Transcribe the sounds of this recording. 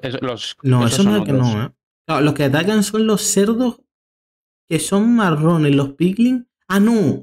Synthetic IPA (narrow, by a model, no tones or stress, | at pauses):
noesoakenoa | klaolo̞skeat̪̬akanso̞nlo̞sse̞ɾðo̞h | ke̞so̞ŋmːaronehlo̞hpiɣliŋ | ano